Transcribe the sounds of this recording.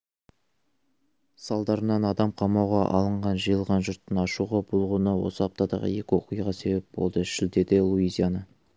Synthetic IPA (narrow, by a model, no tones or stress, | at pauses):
sɑlˠd̪ɑɾənɑnɑd̪ɑmqʰɑmɑwʁɑʔɑ̰lˠəɴʁɑnʒəjəlˠʁɑnʒʊɾt̪ːənɑʃuʁɑbʊlˠʁuənɑwo̞̰səɑp̚t̪ɑd̪ɑ̰ʁə̰je̞kʲɪwo̞̰qujʁɑse̞be̞p̚b̥o̞̰lˠd̪əʃɪld̪e̞d̪ɪlˠuizʲijanə